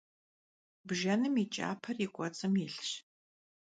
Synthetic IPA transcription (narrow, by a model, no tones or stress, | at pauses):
bʒɐnɨmit͡ʃʼa̰ːpʰɐrikʷʼɔt͡sʼɨmɪɬɕ